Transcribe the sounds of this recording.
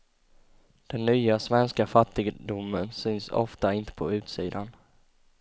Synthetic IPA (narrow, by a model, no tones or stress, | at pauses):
d̪̥ɛnːyːasvɛnskafat̪ːɪɡd̪ʊmːənsʏnsɔ̰ft̪aɪnt̪ə̥pʰɔʉ̟ːt̪siːd̪an